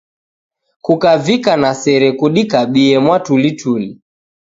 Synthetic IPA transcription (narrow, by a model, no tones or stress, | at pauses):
kukavikanasɛɾɛkuɗikaɓiɛmwatulituli